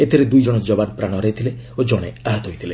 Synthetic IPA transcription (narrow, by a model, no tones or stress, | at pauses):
et̪ʰiɾed̪ujd͡ʒɔɽ̃ɔd͡ʒɔbanpɾaɽ̃ɔɾeit̪ʰileod͡ʒɔɽ̃eaɦɔt̪ɔɦojt̪ʰile